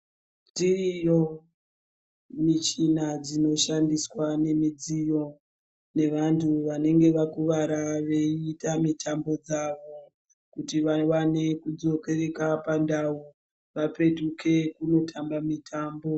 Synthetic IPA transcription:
ntirijo̞ | mit͡ʃinad͡zino̞ʃandiswane̞mid͡zijo̞ | ne̞ʋantʰuʋane̞ŋɡe̞ʋakuʋaɾaʋeiːtamitʰambo̞d͡zaʋo̞ | kutiʋaʋane̞kud͡zo̞ke̞re̞kapandau | ʋape̞tukʰe̞kuno̞tʰambamitʰaːmbo̞

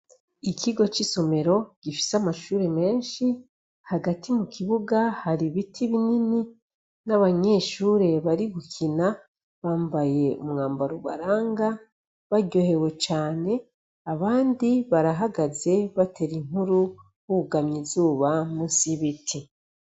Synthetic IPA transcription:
ikiɡo̞t͡ʃiso̞me̞ɾo̞ɟ̥ifi̥samaʃuːɾe̞me̞ːnʃi | haɡatʰimukʰiβuɡahaɾiβitʰiβinini | naβaɲe̞ːʃuːɾe̞βaɾiɡukʰina | βaːmbaje̞ṵmŋaːmbaɾuβa̰ɾaːŋɡa | βaɟo̞he̞we̞t͡ʃaːne̞ | aβaːndiβaɾaɦaɡaze̞βatʰe̞ɾiŋuɾu | huuɡamɲizuːβamusiβitʰi

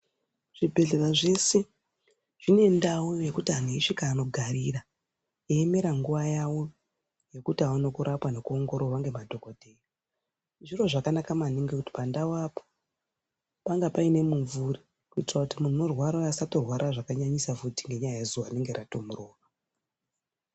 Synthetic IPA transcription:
ʐ̥ibʱe̞ɮeraʐe̞se̞ | ʐ̥ine̞ndaujoje̞kutian̤uiʃikaːno̞ɡʱaɾira | eːme̞ɾaŋɡuʋajawo̞ | je̞kutiawano̞kuɾʔapwane̞kuoŋɡo̞ɾowaŋɡe̞madʱo̞ko̞dʱe̞ːra | ʐiro̞ʐakanakamaniŋɡekuti̥pandawapo̥ | paŋɡapaine̞muɱvuri | kuitirakutimun̤uno̞rwaɾaasatorwaɾaʐakaɲaɲisafutiŋɡe̞ɲajajezuʋaine̞ŋɡeɾatomuroːra

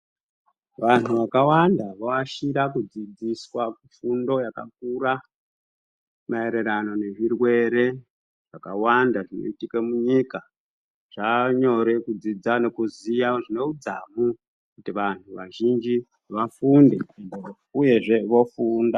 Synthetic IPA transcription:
ʋan̤uʋakawandaʋaaʃiɾakud͡zid͡ziswakufundo̞jaka̰k̚uɾa | mae̞ɾe̞ɾano̞ne̞ʐirwe̞ɾe̞ | ʐ̥akawandaʐino̰itikemuɲika | ʐ̥aɲo̞ɾe̞kud͡zid͡zane̞kuzijaʐino̞ud͡zamu | kutiʋan̤uʋaʒind͡ʒi | ʋafundeendo | uje̞ʐe̞ʋo̞fuːnda

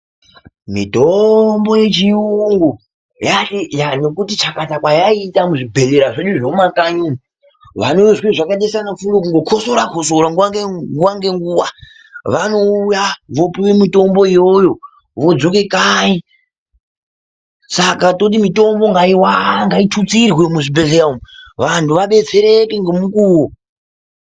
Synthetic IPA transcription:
mḭtombo̞je̞t͡ʃiuŋɡu | jajano̞kutit͡ʃakatakwajaitamuʐibʱe̞leɾaʐeɗuʐomakaɲumi | ʋa̰noʋeʐweʐakaɗesanafunokuŋɡo̞kʰo̞soɾakʰo̞soɾaŋɡuwaŋɡeɡuwaŋɡe̞ŋɡuwa | ʋano̞ujaʋo̞piwemito̞mbo̞ijojo̞ | ʋo̞d͡zo̞ke̞kai | sakatot̬imito̞mbo̞ŋɡaiwaŋɡaitʰut͡sirwemuʐibʱe̞ɮeɾaomʋantʰuʋaɓe̞t͡se̞ɾe̞ke̞ŋɡemukuːwo

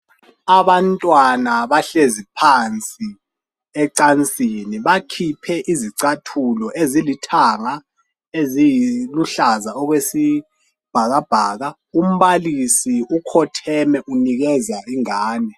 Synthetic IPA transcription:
aβantʼwanaβaɬezipʰant͡sʼi | ɛǀant͡sʼiniβakʰipʰɛʔiziǀatʰulɔʔezilitʰaŋa | ezijiluɬazaɔɣwesi | b̥ʱaɣab̥ʱaːɣa | um̩βalisiukʰɔtʰɛmɛʔuniɣɛzaiŋaːnɛ

